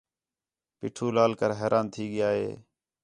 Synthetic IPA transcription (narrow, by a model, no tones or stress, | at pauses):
pɪ̰ːʈʰuːlaːlkəɾɦɛːɾʔaːnt̪ʰiːɠɪjaːɦeː